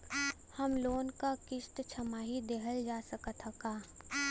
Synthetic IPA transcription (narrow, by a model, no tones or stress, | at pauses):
həmloːnkakɪʃʈ̪t͡ʃʰəmaːɦid̪eɦəld͡ʒaːsəkət̪ʰəkaː